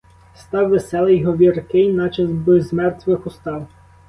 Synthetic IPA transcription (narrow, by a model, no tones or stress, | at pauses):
st̪ɑwʋesɛlˠɪjɦɔʋʲirkɪjnɑt͡ʃɑzbɪzmɛrt̪ʋɪxʊst̪ɑw